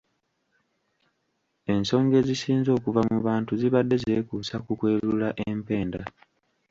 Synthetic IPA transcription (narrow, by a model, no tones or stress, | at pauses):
e̞nso̞ːŋɡe̞zisiːnzo̞ːkuvamuβaːntuziβadːe̞ze̞ːkuːsakukwe̞ːlulaʔempe̞ːnda